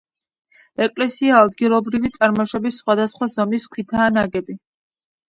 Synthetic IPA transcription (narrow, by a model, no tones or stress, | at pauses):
ɛkʼlɛsiaːd̪ɡilˠɔbɾivit̪sʼaɾmaʃɔbisːχwad̪asχwazɔmiskʰwit̪ʰaːnaɡɛbi